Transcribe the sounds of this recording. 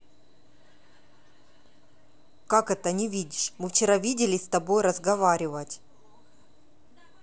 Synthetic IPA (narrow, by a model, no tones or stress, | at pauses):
kakɛt̪ənʲɪvʲidʲɪʂmɨft͡ɕɪɾavʲidʲɪlʲɪsʲt̪ɐbo̞jɾəzɡɐvaɾʲɪvətʲ